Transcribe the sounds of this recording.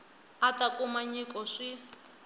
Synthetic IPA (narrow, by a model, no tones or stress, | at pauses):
atakumaɲikɔʂi